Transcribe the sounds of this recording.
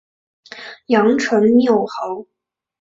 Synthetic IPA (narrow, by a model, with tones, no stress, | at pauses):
jɑ˧˥ŋʈ͡ʂʰə˧˥nnjo˥˩ʊxo˧˥ʊ